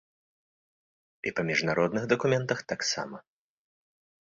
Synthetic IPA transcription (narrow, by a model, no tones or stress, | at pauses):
ipɐmʲiʐnaɾɔd̪nɨɣd̪ɐkumʲɛnt̪ɐxt̪aksa̰mɐ